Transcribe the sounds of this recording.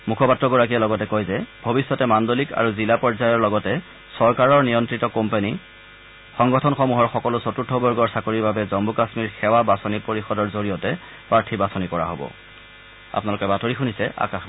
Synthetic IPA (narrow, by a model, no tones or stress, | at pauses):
mukʰɔpatɹɔɡoɹak̬ijɛlɔɡɔtɛkojzɛbʱobisːɔtɛmandolika̰ɹuzilapɔɹzajɔɹlɔɡɔtɛ | sɔɹkaɹɔɹnijɔntɹitɔkompeni | xɔŋɡɔtʰɔnxɔmuɦɔɹxɔkɔlʊsotutʰːɔbɔɹɡɔɹsakoɹiɹbabɛzɔmbukasmiɹxɛwabasɔnipoɹixɔdɔɹzoɹijɔtɛ | pɹaɹtʰibasɔnikɔɹa̰ɦo̰bɔ̰ | a̰pnalʊkɛbatoɹixunisɛʔa̰kax